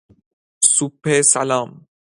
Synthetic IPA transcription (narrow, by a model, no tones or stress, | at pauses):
supːesa̰laːm